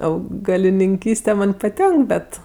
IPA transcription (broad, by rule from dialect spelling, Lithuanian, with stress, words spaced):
ɐʊɡɐlʲɪnʲɪŋʲˈkʲiːsʲtʲɛ ˈmɐnʲ pɐˈtʲɛŋk ˈbʲɛt